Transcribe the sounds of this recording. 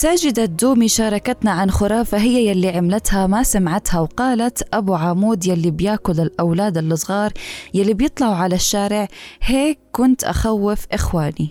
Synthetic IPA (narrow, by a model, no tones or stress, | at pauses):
saːd͡ʒɪd̪ad̪ːuːmiʃɑːɾˤɑkat̪naʕanxʊɾˤɑːfaɦɪjːajalːiʕamlat̪hamasamʕat̪hawqɑːlat̪ʔabuʕamuːd̪jalːibjaːkʊlɪlʔawlaːd̪ɪlːɨsˤɣɑːɾˤjalːibjɨt̪ˤlɑʕuʕalaʃːaːɾɪʕheːkːʊnt̪ʔa̰xawːɪfʔɪxwaːni